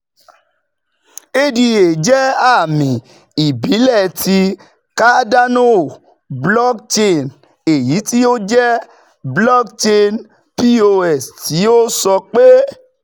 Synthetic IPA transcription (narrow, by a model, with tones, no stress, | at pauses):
e˦di˧e˨d͡ʒɛ˦a˦˨mĩ˨ | i˨bi˨˦lɛ˦˨tʰi˧ | ka˦da˦no˦˨ | blɔ˦kt͡ʃe˦˧n | e˨ji˨˦ti˦o˦d͡ʒɛ˦ | blɔ˦kt͡ʃe˧n | pi˦o˧ɛ˨sti˨˦o˦sɔ˧k͡pe˦